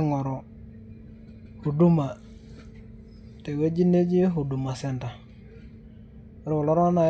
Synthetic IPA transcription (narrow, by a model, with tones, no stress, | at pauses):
ŋɔ˨ɾɔ˨ | hu˨du˦ma˨ | te˨we˦d͡ʒi˦ne˦d͡ʒi˦ɦu˨du˨ma˨sɛ˨nta˨˦ | ɾwo˨lo˦ɾa˦na˨